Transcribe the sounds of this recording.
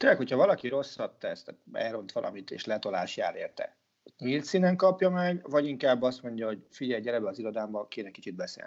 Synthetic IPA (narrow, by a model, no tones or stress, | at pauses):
eːɾlɛkho̞chɒvɒlɒkiɾo̞sːɒt̪ːɛst̪at̪ɛ̰ːɾo̞nt̪ʋɒlʔɒ̰mit̪ḛːʃlɛt̪o̞la̰ːʃja̰ːleːrt̪ɛ̰ | it̪milt̪sinɛŋkɒpjɒmɛɡvɒɟiŋkaːbːɒst̪mo̞ɲɟɒɦo̞ɟfiɟɛjɟɛɾɛbɛɒziɾo̞d̪aːmbɒkeːnɛki̥t͡ʃid̪̚bɛsḛːl